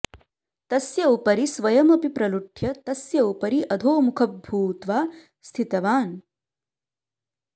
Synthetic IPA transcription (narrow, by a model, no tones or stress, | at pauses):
t̪ɐsjɐupɐɾisʋɐjɐmɐpipɾɐluʈʰjɐt̪ɐsjɐupɐɾiʔɐd̪ʱoːmukʰɐbbʱuːt̪ʋaː | st̪ʰit̪ɐʋaːn